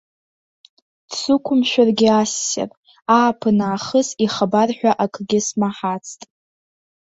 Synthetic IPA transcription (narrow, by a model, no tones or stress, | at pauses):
d̥sukʷʰʊmʃᶣarɡʲɪasːa̰rʼ | aːpʰɨnaːχəsiχabarħʷᶣaʔakʰɡʲɪsmaħat͡sʰtʼ